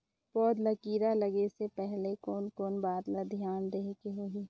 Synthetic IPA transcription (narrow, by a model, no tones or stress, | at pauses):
pɔːd̪ləkiːɾalɐɡesepɛɦlekoːnkoːnbaːd̪ləd̪ʱjaːnɾeɦkeɦoi